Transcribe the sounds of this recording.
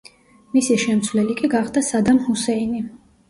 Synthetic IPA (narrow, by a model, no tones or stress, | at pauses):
misiʃɛmt̪sʰvlɛlikʼiɡaχd̪asad̪amhusɛini